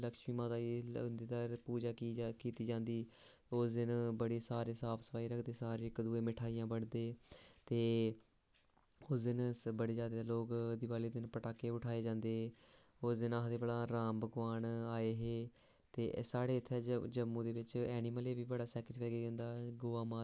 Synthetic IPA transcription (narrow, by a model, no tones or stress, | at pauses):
ləkʃmiːmãːd̪aːind̪eːd̪aːpuːd͡ʒaːkiːkiːt̪iːd͡ʒãːnd̪iː | oːsd̪ɪnbəɽeːsaːɾeːsaːpʰsə̥pʰaːiːɾəkʰd̪eːsaːɾeːɪkd̪uːeːmɪʈʰaːiːjãːbəɽd̪eːt̪eː | oːsd̪ɪnsbəɽeːd͡ʒaːd̪eːloːkd̪ɪʋaːliːd̪ɪnpəʈaːkːeːʊʈʰaːeːd͡ʒãːnd̪eː | oːsd̪ɪnaːɦd̪eːbəɽaːɾãːmbəɡʋaːɳaːeːɦeː | t̪eːsaːɽeːɪt̪ʰːɛːd͡ʒəmːũːd̪eːbɪt͡ʃɛːnɪməleːʋiːbəɽaːsɛːkət͡ʃpɛːɡeːd͡ʒãːnd̪aːɡoːaːmaː